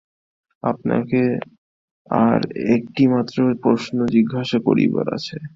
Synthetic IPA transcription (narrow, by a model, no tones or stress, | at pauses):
apna̰ke | aɾek̚ʈimat̪ːɾopɾoʃnod͡ʑiɡːaʃakoɾḭba̰ɾa̰t͡ɕʰe